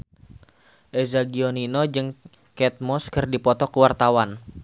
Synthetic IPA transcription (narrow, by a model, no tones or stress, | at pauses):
ʔezaɡioninod͡ʒɨŋ | kɛt̪̚mɔskɨrdipɔt̪ɔkəwart̪awan